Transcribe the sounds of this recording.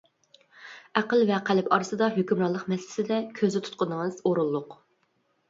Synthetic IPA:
æqəlvɛqʰælɪpʰɑɾɨsɨd̪ɑɦøkʲymɾɑlˠːəqmɛsɪlɪ̥sɪd̪ɛkʲʰøzɪt̪ʰu̥t̪̚qʊnəŋɨz̥oɾulˠːʊq

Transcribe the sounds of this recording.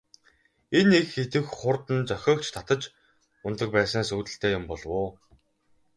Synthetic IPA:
enekxet̪ɘ̆xχʊrt̪ɘ̆nt͡sœxʲɔːkt͡ɕʰt̪ʰat̪ə̆t͡ɕ | ʊnt̪ə̆k̚pæːsə̆ŋsuːt̪ɘ̆ɬt̪ʰeːjʊmpɔɮwʊː

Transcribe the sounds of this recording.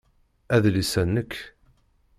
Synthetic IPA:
æðlisænːəkː

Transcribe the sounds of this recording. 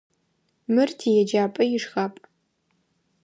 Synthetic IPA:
mɨrtʰijɛd͡ʒaːpʼɐjɪʂxapʼ

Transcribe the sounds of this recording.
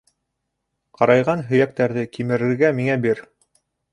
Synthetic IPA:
qɑɾɑjʁɑnɦɵ̆jæk̚t̪æɾðɘkimɘ̆ɾɘ̆ɾɡæmiŋæbiɾ

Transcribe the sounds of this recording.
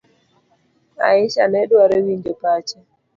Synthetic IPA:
a̰ɪt͡ʃanɛɗwaɾewiɲd͡ʒopat͡ʃa

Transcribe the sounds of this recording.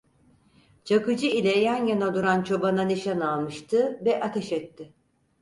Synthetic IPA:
t͡ʃʰakɯd͡ʒɯilʲɛjænjanad̪uɾant͡ʃʰo̞bananiʃanalˠmɯʃt̪ʰɯvɛʔat̪ʰɛʃɛt̪ʰːɪ

